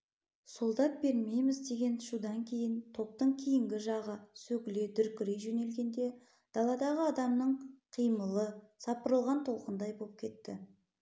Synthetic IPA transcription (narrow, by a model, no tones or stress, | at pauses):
solˠd̪ɑt̪̚be̞ɾme̞jmɪzd̪e̞ɡʲe̞nʃud̪ɑŋkʲʰe̞jɪnt̪ʰo̞p̚t̪əɴkʲʰijɪŋɡʲɪʒɑʁəsɵɡʲɪle̞d̪ʏɾkʲɪɾejʒɵne̞lɡʲe̞nd̪e̞ | d̪̥ɑlˠɑd̪ɑʁəɑd̪ɑmnəɴqʰijməlˠəsɑpəɾəlˠʁɑnt̪ʰo̞lˠqənd̪ɑjbop̚kʲʰe̞t̪ːɪ